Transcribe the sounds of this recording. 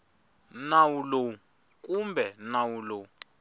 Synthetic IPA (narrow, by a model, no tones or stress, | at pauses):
nawulo | k̬ʼumbʱɛnawulo